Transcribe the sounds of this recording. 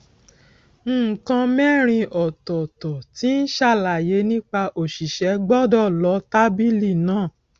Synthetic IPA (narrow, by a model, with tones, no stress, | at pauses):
n̩˦˨kã˧mɛ˦ɾ̃ĩ˧ʔɔ˨tɔ˨tɔ˨ti˨˦n̩˦ʃa˦˨la˨je˨˦nĩ˦k͡pa˧ʔo˨ʃi˨ʃɛ˨˧˦ɡ͡bɔ˦dɔ˦˨lɔ˨˧˦ta˦bi˦li˦˨nãː˦˨